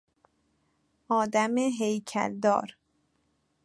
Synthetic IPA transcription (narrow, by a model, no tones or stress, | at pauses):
ɒːd̪æmeɦejcʰæ̰ld̪ɒ̰ːɾ